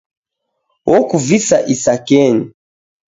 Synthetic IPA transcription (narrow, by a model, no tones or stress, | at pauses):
wʔɔkuvisaʔisakɛɲi